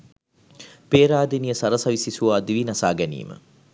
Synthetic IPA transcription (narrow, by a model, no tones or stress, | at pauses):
peːɾaːd̪inijəsɐɾɐsɐʋisisuʋaːd̪iʋinɐsaːɡænḭːmə̰